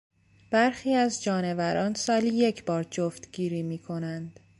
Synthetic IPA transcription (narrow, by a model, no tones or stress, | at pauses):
b̥æɾxiːæzd͡ʒɒːne̞væɾɒːnsɒːliːje̞cʰbɒːɾd͡ʒoft̪ɡiːɾiːmiːkʰo̞nænd̪̥